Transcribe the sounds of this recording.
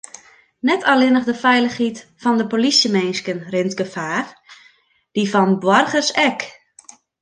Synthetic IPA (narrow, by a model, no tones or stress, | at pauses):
nɛtʰalɪnəɣdəfɛjləxhitfɔndəpolisjəmejnskənrɪntɡəfaːr | d̥ifɔnbwɔrχəsɛk